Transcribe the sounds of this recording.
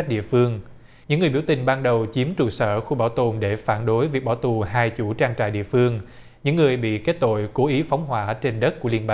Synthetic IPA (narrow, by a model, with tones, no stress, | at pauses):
ɗḭ˧˨əfɨ˧əŋ | ɲɨ̰˧˥ŋː˨˩jɓi˧˩wt̪ï˨˩ŋ̟ɓaː˧nɗə˨˩wt͡ɕi˨˦əmt͡ɕu˧˩sə̰ː˧˩xu˧ɓaː˧˩wt̪o˨˩nɗe˧˩faː˧˩nɗo˨˦jvi˨˩ək̚ɓaː˧˩wt̪u˨˩ɦaː˧jt͡ɕu˧˩t͡ɕaː˧ŋt͡ɕa̰ː˧˨jɗḭ˧˨əfɨ˧əŋ | ɲɨ̰˧˥ŋːɨ˨˩əjɓḭ˧˨ke˦˥t̚t̪o̰˧˨jko˨˦ʔi˨˦fa˨˦wŋ͡mɦwaː˧˥t͡ɕe˧nɗə˦˥t̚ku˧˩əli˧ənɓa˧